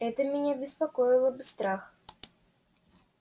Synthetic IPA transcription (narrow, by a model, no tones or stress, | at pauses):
ɛt̪əmʲɪnʲabʲɪspɐkojɪlˠəbɨst̪ɾax